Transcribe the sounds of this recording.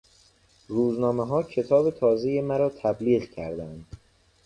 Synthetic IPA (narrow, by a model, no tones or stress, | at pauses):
ruːznɒːmeɦɒːcʰe̞t̪ʰɒːbe̞t̪ʰɒːze̞jemæɾɒːt̪ʰæbliːɣcʰæɾd̪ænd̪̥